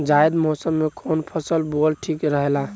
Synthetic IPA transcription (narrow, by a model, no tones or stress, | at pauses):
d͡ʒajd̪mosəmːekʰonpʰəsəlbolʈʰikɾəɦela